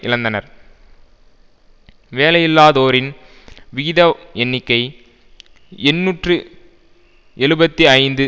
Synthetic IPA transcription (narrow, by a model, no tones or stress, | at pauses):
ʔɪlɐnd̪ɐnɐɾ | ʋeːlɐjɪlːaːðoːɾɪn | ʋɪɣɪðɐɛnːɪkːɐɪ | ɛnːuːʈrɯ | ɛɻɯbɐt̪ːiɐɪnd̪ɯ